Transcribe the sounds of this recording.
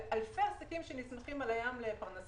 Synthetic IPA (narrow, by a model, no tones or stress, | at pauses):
ʔalfeasakimʃenismaχimalajamlepaʁnas